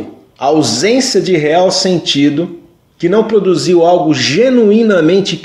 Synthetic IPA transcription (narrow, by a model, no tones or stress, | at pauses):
ɐawzẽsjɐd͡ʒɪɦeawsẽnt͡ʃid̪ʊ | kɪnɐ̃w̃pɾod̪uziwawɡʊʒenuĩnɐmẽnt͡ʃɪ